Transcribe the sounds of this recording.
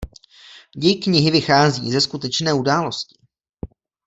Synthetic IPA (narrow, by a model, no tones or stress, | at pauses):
jɪkɲɪɦɪvɪxaːzḭːzɛskut̪ɛt͡ʃnɛːudaːlo̞scɪ̥